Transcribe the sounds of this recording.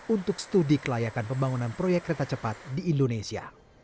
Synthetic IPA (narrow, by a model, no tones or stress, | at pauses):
unt̪ʊksə̥t̪udikəlajakanpəmbaŋunanpɾojɛkːəɾet̪at͡ʃəpat̪̚diːndonesia̰